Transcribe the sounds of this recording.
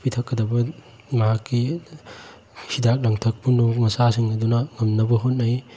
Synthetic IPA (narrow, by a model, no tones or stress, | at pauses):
pitʰɐkːɐd̪ɐbɐ | mɐɦakːi | hid̪ak̚lɐŋtʰɐk̚punomɐsasiŋnɐd̪unɐŋɐmnɐbɐɦot̚nɐj